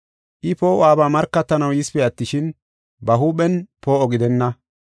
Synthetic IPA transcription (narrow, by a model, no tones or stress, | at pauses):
ʔɪpo̞ːʔwaːbaːmɐɾkːɐt̪ːɐnɐwɪspɛɐt̪ːɪʃɪn | bɐɦuːɓɛnpo̞ːʔɔɡɪd̪ɛnːɐ